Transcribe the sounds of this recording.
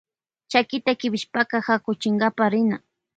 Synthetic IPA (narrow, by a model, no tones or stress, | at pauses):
t͡ʃakɪt̪akɪbɪʃpakɑhakʊt͡ʃɪŋɡapaɾɪna